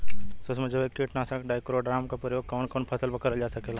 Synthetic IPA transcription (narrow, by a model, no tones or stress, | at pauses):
sosmẽd͡ʒekeʈnaːsakɖaːjkɾoːɖɾaːmkapɾəjoːɡ̚kɔːnkoːnpʰəsəlbəkəɾəd͡ʒaːsəkeːlaː